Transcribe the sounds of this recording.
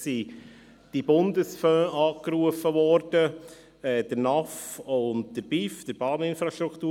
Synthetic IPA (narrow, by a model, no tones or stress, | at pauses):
si | d̥ibʊndəsfœːʔɑːkɾuəfəvɔɾd̥ə | ɛd̥əɾnɑfʊnt̚d̥əɾb̥ifd̥əɾb̥ɑːnɪnfɾaʃtɾuktuː